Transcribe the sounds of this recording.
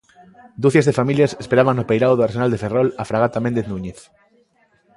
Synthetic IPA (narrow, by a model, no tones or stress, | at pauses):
d̪uθezðefamiljasespeɾaβaŋnopejɾawðoaɾsenald̪eferɔlafɾaɣ̞at̪amẽnd̪eθnũɲeθ